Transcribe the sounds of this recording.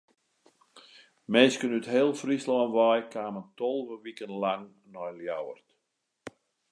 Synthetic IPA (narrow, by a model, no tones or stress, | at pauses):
meːskənytheːlˠfrislɔːnʋɔjkʰaːməntɔlˠvəʋikənlaŋ | nɔjljawərt